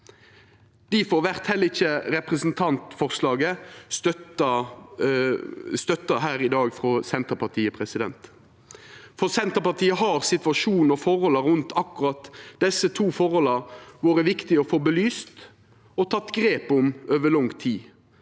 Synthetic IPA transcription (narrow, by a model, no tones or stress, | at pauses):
d̪̥ɪfoːɾʋæʁt̪hɛlːəɪçːəɾɛpʁɛsn̩t̪ʰɑnt̪fɔʁslɑːɡəst̪œt̪ɑ | st̪œt̪ːɑɦæːɾɪd̪ɑːɡfʁɔsɛnt̪əpɑt̪ʰiːəpʰʁɛsɪd̪ɛ̰nt̪ | fɔsɛnt̪əpɑʁt̪iːəɦɑɾsɪt̪ʋɑʂuːn̩ɔfɔɾhɔləɾʉnt̪ʰɑkːʊɾɑt̪d̪ɛsːət̪ʰuːfɔɾhɔləɾʋoːɾəʋɪkt̪ɪɔfɔːbəlyːst̪ | ɔt̪ʰɑt̪ːɡɾeːpʊmøːʋəlɔŋt̪ʰiː